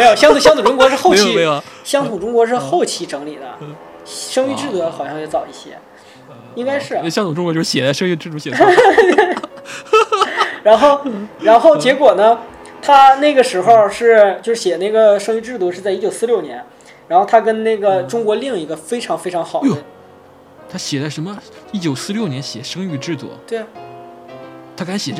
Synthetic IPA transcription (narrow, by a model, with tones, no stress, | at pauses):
me˧˥jo˨˩ɕjɑ˥ŋt̪ɕjɑ˥ŋt̪ʰu˨˩ʈ͡ʂʊ˥ŋkwɔ˧˥ʂɻ̩˥˧xo˥˩ʊt͡ɕʰi˧˥ɕjɑ˥ŋt̪ʰu˨˩ʈ͡ʂʊ˥ŋkwɔ˧˥ʂ̬ɻ̩˥˧xo˥˩ʊt͡ɕʰi˧˥ʈ͡ʂɤ˧˥ŋli˨˩d̪ə̰˦ | ʂɤ˥ŋy˥˧ʈ͡ʂɻ̩˥˩t̪u˥˩˧xɑ˨˩ʊɕjɑ˥˧ŋjo˥˩t͡sɑ˨˩ʊi˥˩ɕjɛ̰˥ | i˥ŋka˥ɪʂɻ̩˥˩˥ɕjɑ˥ŋt̪u˨˩ʈ͡ʂʊ˥ŋkwɔ˧˦jʂ̩˥˩ɕjɛ˨˩t͡sa˥˩ʂɤ˥ŋy˥˧ʈ͡ʂɻ̩˥˩t̪u˥˩ɕɛ˨˩e˥˧ | ɻa˧˥nxo˥˩ʊɻa˧˥nxo˥˩ʊt͡ɕjɛ˧˥kwɔ˨˩nə˦ | t̪ʰa˥ne˥˩ɪɡə˩ʂɻ̩˧˥xo˥˧ʊʂɻ̩˥˩t͡ɕjo˥˧ʊʂɻ̩˥˩ɕjɛ˨˩na˥˩ɡə˩ʂɤ˥ŋy˥˧ʈ͡ʂɻ̩˥˧t̪̬u˥˧ʂɻ̩˥˧t͡sa˥˧ɪi˥t͡ɕjo˨˩ʊsɹ̩˥˧ljo˥˩ʊnjɛ˧˥n | ɻa˧˥nxo˥˩ʊt̪ʰa˥k̬ə˥nne˥˩ɡə˩ʈ͡ʂʊ˥ŋkwɔ˧˥li˥˩ŋi˧˥ɡə˧fe˥ɪʈ͡ʂʰɑ˧˥ŋfe˥ɪʈ͡ʂʰɑ˧˥ŋxɑ˨˩ʊ˥˩ə˦ | t̪ʰa˥ɕjɛ˨˩t͡sa˥˩ɪʂə˧˥nmə˧i˥˩t͡ɕjo˨˩ʊsɹ̩˥˧ljo˥˩ʊnjɛ˧˥nɕjɛ˨˩ʂɤ˥ŋy˥˧ʈ͡ʂɻ̩˥˧t̪ṵ˥˩t̪we˥˩ɪ | t̪ʰa˥ka˧˥nɕjɛ˨˩ʈ͡ʂ